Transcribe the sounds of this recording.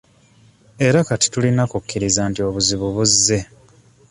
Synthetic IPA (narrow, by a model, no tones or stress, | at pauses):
e̞ɾakati̥tulinakukːiɾizaːntio̞βuziβuβuzːe̞